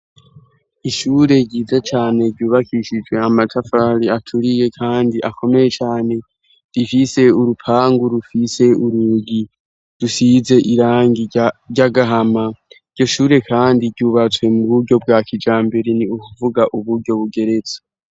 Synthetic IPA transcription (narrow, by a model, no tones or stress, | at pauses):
iʃuːɾe̞ɟiːzat͡ʃaːne̞ɾɟuːβakʰiʃid͡ʒwe̞amatʰafaːɾiatʰuɾije̞kʰaːndiʔakʰo̞me̞je̞t͡ʃaːne̞ | d̥ifise̞uɾupʰaːŋɡuɾufise̞uɾuɡi | d̥usize̞ʔiɾaːŋɡiɟaɡaɦamaiɟɟo̞ʃuːɾe̞kʰaːndiɾɟuːβat͡swe̞muβuɾɟo̞b̚ɡaːkid͡ʒaːmbeɾiniukuvuɡaʔuβuɾɟo̞βuɡe̞ɾe̞zḁ